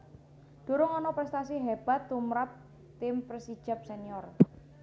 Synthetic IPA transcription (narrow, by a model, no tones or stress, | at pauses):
ɖ̥o̤ɾʊŋɔnɔpɾɛst̪asiɦeb̥a̤t̪ːumɾap̚ | t̪ɪmpɾesi̥ʒ̥a̤p̚seniɔr